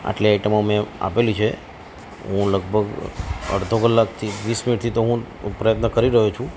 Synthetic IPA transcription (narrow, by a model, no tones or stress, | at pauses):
a̰ʈliajʈəmomẽa̰pelit͡ʃʰe | ɦũləɡbʱəɡə̰ɽd̪ʱokəlːakt̪ʰiʋisminiʈt̪ʰit̪oɦũ | pɾəjət̪nəkəɾiɾəɦut͡ʃʰũ